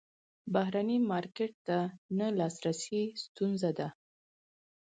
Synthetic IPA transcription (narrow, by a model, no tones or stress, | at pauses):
bahɾanimɑɾkeʈ̚t̪analɑsɾasist̪unzad̪a